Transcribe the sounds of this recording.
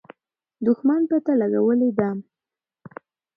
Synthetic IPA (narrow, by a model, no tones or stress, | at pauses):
d̪ʊxmanpət̪alaɡawəled̪am